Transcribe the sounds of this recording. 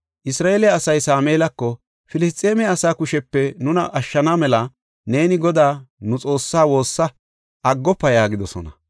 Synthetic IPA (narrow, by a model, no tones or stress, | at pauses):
ʔɪsɾaːʔelɪjɐɐsɐjsaːmeːlɐkːɔ | fɪlɪs̬t̪ʼːeːmɛɐsaːkʊʃɛpːɛnʊnɐʔɐʃːɐnamɛlɐ | ne̞ːnɪɡɔd̪aːnʊt͡sʼo̞ːsːaːwo̞ːsːɐ | ʔɐɡːɔpːɐjaːɡɪd̪ɔsɔ̰nɐ